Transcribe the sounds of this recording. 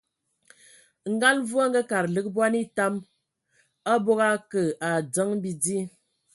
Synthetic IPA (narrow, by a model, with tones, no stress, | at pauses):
ŋ̩˦ɡa˦lvu˦a˦ŋ̩˦ɡə˦ka˨ɾlɨ˦k̚bwa˦ni˦ta˦m | a˦bo˦ɣa˦kə˨a˨d͡zə˨˦ŋ˦bi˦d͡zi˦